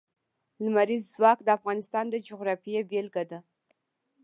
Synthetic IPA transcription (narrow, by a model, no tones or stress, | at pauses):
lmaɾizːwɑkd̪əafɣɑnɪst̪ɑnd̪əd͡ʒʊɣɾɑfijebelɡad̪a